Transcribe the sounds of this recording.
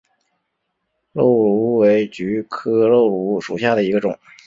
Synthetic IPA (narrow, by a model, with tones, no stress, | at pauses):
lo˥˩ʊlu˧˥we˧˥ɪt͡ɕy˧˥kʰɤ˥lo˥˩ʊlu˧˥ʂṵ˨˩ɕja˥˩d̪ə˩i˧˥ɡə˧ʈ͡ʂʊ̰˨˩˦